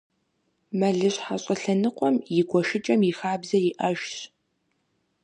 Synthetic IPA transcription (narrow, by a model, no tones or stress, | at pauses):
mɐɮɨɕħaɕʼɐɬɐnɨqʷɔmjɪɡʷɔʃɪt͡ʃʼɐmjɪxaːbzɐjɪʔɐʒɕ